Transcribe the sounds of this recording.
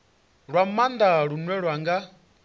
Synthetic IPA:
ɺwamand̪aɺunwɛɺwaŋɡa

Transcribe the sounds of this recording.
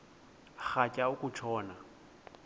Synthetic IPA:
χacʼaʊkʼʊt͡ʃʰɔːna

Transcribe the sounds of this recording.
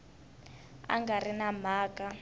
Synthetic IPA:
a̰ŋɡarinam̤aːkʼa

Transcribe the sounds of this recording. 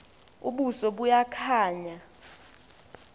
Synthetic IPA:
ṵɓusɔɓujakʰaːɲa

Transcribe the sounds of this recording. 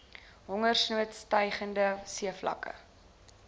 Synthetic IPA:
ɦɔŋərsnuətstɐjχəndəsiəflɐ̰kə̰

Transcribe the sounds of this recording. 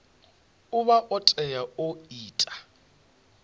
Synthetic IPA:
ʊβaʔɔtʼɛjaoiːtʼḁ

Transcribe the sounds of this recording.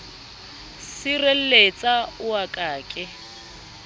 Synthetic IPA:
sɪrel̩let͡sʼaʊakʼaːkʼɪ

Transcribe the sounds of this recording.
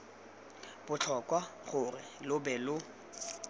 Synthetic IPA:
b̥ʊt͡ɬʰɔkʼwaχʊrɪlʊbɛlʊ

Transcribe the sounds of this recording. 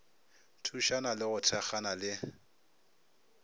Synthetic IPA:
tʰuʃanalɪɣʊtʰɛχanalɪ

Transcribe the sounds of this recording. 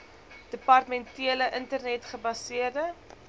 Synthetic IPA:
d̥əpɐrtəmɛntiələʔəntərnɛtχəbɐsiərdə

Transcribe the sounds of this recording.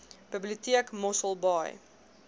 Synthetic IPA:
b̥əbliutiəkmɔsəlˠbɑj

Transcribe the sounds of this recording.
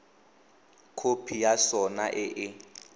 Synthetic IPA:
kʰopʰijasɔnaʔɪʔɪ

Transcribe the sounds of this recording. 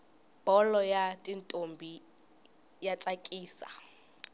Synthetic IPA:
b̥ɔlɔjatʼintʼombʱi | jat͡sʼakʼiːsa̰

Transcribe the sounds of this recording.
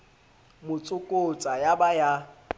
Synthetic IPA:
mʊt͡sʼʊkʼot͡sʼajabaja

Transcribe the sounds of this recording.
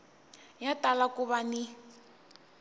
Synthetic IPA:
jatalakuβani

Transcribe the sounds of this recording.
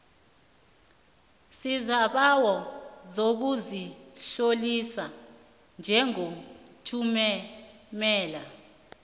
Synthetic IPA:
sizaɓawɔzok̬uziɬolisa | nd͡ʒʱɛŋotʰumɛmɛːla

